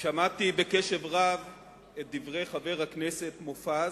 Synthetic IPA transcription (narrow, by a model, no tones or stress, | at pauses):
ʃamat̪ibekeʃevʁav | et̚d̪ivʁe̞jχave̞ʁhaknesetmofa